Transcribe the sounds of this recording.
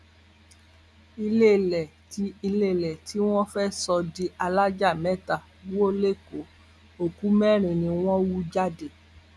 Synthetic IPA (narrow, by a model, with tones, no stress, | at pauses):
i˧le˦˨lɛ˨ | ti˧i˧le˦˨lɛ˨ti˨˦w̃ɔ̃˦fɛ˦sɔ˧di˧˦ʔa˧la˦d͡ʒa˦˨mɛ̃˨˦ta˨ | bu˦o˦le˦˨ko˨˦ | o˨ku˨˦mɛ̃˦˨ɾ̃ĩ˨nĩ˧w̃ɔ̃˦wu˦d͡ʒa˦de˨